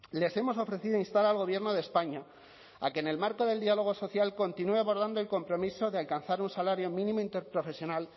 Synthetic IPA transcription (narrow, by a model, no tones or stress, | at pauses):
le̞se̞mo̞so̞fɾe̞θiðoinst̪aɾalɣo̞β̞je̞ɾno̞ð̞espaɲa | a̰ke̞ne̞lmaɾko̞ðe̞ld̪ialo̞ɣ̞o̞so̞θjalko̞nt̪inue̞aβo̞ɾð̞and̪oelko̞mpɾo̞miso̞ðealkanθaɾunsalaɾjo̞mĩnĩmoint̪e̞ɾpɾo̞fe̞sjo̞nal